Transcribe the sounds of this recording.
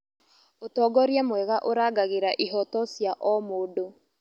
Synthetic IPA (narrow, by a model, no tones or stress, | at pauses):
otɔːɡɔɾjamwɛɣaʔoɾaːɡaɣeɾaʔiɦɔtɔsjaʔɔmoːdo